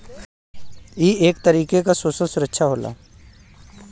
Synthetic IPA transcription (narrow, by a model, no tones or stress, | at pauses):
iːeːkt̪əɾiːkekasososʊɾəkʃʰaɦoːla̰ː